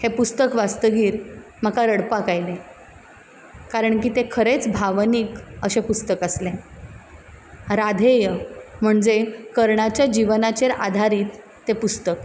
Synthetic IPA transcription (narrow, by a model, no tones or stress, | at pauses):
hepust̪əkʋast̪əɡiːɾ | m̤əkaɾəɽpakajle | kaɾəɳkiːt̪ekʰəɾet͡sbʱaʋniːkəɕẽpust̪əkəslẽ | ɾad̪ʱejəm̤əɳd͡zekəɾɳat͡ɕjad͡ʑiʋnat͡ɕeɾa̰d̪ʱaɾiːt̪ː | epust̪ək